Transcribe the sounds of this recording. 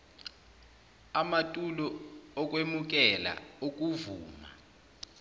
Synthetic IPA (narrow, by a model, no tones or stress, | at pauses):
amatʼulɔɔk̬ʼwemuk̬ɛla̰ok̬ʼuvuːma̰